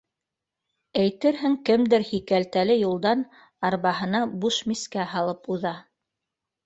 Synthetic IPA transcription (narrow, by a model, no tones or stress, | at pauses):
æjt̪ɘɾɦɘŋkɘmd̪ɘɾhikælt̪ælɘjulˠd̪ɑn | ɑɾβɑhɤ̆nɑbuʃmiskæhɑlˠɤpuðɑ